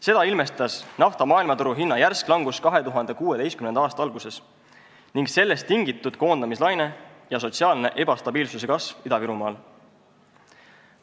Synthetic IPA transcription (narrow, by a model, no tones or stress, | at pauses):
se̞d̪ɑilme̞st̪ɑsnɑft̪ɑmɑːilmɑt̪uɾuɦinːɑjærsklɑŋɡ̥uskɑɦe̞t̪uɦɑnd̪̥e̞kuːet̪e̞jskymnend̪ɑɑːst̪ɑɑlɡ̥use̞s | niŋɡse̞lːe̞st̪ːiŋɡit̪ːˑud̪̥̚ko̞ːnd̪̥ɑmislɑjne̞jɑso̞t̪siɑːlne̞ʔe̞b̥ɑst̪ɑb̥iːlsuse̞kɑsvid̪ɑviɾumɑːl